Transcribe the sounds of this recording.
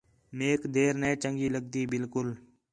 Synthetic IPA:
meːkd̪eːɾnɛ̃ːt͡ʃəŋɡiːləɡ̚d̪iːbɪlkʊl

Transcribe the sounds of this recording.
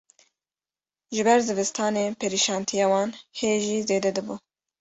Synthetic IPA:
ʒɪbɛɾzɨvɨst̪ʰɑːneːpʰeɾiʃɑːnt̪ʰijɑːwɑːnheːʒiːzeːd̪ɛd̪ɨbuː

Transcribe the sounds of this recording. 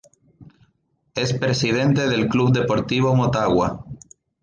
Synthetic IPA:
e̞spɾe̞sið̞ẽ̞nt̪e̞ðe̞lkluβd̪e̞po̞ɾt̪iβ̞o̞mot̪aɣwa

